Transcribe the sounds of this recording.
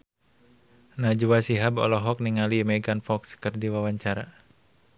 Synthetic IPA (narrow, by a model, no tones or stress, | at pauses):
nad͡ʒuwasiɦabɔ̰lɔɦɔk̚niŋalimɛɡanfɔkskɨrdiwawaɲt͡ʃaɾa